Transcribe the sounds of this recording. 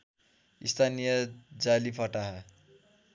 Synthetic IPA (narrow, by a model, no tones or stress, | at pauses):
ist̪ʰanijʌd͡zalipʰʌʈaɦʌ